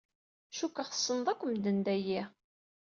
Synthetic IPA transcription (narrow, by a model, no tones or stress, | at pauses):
ʃukːaχə̥sˤːənðˤækʷːəmd̪ənd̪æji